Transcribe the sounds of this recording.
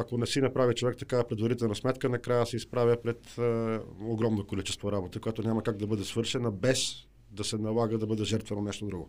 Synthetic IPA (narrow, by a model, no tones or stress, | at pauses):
akonɛsinɐpɾavʲit͡ʃovɛkt̪ɐkavɐpɾɛd̪vɐɾit̪ɛlˠnɐsmɛt̪kənɐkɾajəsɛispɾavʲjəpɾɛt̪ | oɡɾɔmnokolit͡ʃɛst̪voɾabot̪əkojat̪onʲamɐkaɡ̚d̪ɐbɤd̪ɛsvɤɾʃɛnəbɛs | d̪ɐsɛnɐlˠaɡəd̪ɐbɤd̪ɛʒɛɾt̪vɛnonɛʃt̪od̪ɾuɡo̰